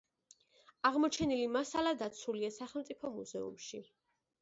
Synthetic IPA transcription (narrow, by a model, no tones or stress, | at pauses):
aʁmɔt͡ʃʰɛnilimasalad̪at̪sʰuliasaχɛlˠt̪sʼipʰɔmuzɛṵmʃi